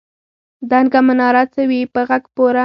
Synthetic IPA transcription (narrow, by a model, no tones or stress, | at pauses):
d̪anɡamanɑɾat͡sawipəɣaɡpoɾa